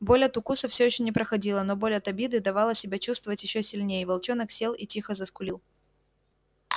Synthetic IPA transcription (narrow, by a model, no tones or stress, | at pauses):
bo̞lʲɐt̪ʊkusəfsʲɵjɪɕːonʲɪpɾəxɐdʲilˠənobo̞lʲɐt̪ɐbʲid̪ɨd̪ɐvɑlˠəsʲɪbʲat͡ɕust̪vəvətʲjɪɕːosʲɪlʲnʲejəvɐlˠt͡ɕo̞nəksʲe̞lˠḭtʲixəzəskʊlʲilˠ